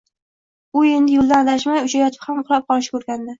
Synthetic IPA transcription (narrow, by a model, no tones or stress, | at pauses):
ʊe̞nd̪ɪjolˠd̪anlaʃmajʊt͡ʃajɒt̪ʰɪ̥phamqʰlˠɑp̚qɒnʃɪ̥kʰɵɾɡʲand̪ɪ